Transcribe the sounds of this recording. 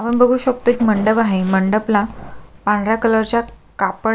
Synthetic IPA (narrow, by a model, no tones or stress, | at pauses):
aʋəɳbəɡʱuːɕək̚t̪ot͡ɕməɳɖəbaɦeməɳɖəplãpãnɾjakələɾt͡ɕjakap